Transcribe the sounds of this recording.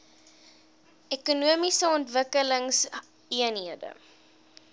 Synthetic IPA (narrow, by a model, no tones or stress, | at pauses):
ɛkunuəmisəɔntvəkələŋs | iənɦiədə̰